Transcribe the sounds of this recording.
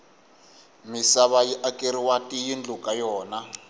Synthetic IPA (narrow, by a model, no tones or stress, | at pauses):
misaβajiʔakʼeɾiwatʼijind͡ɮukʼajɔːna